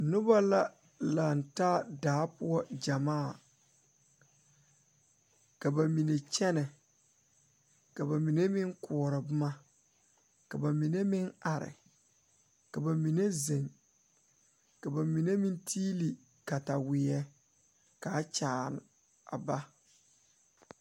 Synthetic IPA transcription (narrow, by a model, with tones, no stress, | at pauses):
nʊ˦ba˦la˦ | la˨n˨taː˦daː˨˦pʊ˦ɔ˦d͡ʒa˨maː˦˨ | ka˨ba˨mi˨ne˨t͡ʃɛ˦nɛ˨ | ka˨ba˨mi˨ne˦mɪ˦ŋkʊ˨ɔ˨ɾɪ˨bʊ˦ma˦ | ka˨ba˨mi˨ne˦mɪ˦na˨ɾɪ̰˨ | ka˨ba˨mi˨ne˦ze˨ŋ | ka˨ba˨mi˨ne˦mɪ˦ntʰiː˦li˨ | ka˨ta˨wɪ˨ɛ˦ | kaː˨˦t͡ʃaː˨n˨ | a̰˨ba˦